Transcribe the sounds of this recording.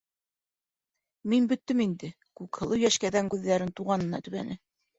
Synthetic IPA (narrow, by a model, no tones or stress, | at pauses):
minbɵ̆t̪ːɵmind̪ɘ | kʉkhɤ̆lˠɤwjæʃkæðæŋkʉðːæɾɘnt̪uʁɑnɤ̆nɑ̰t̪ɵ̆βæ̰nɘ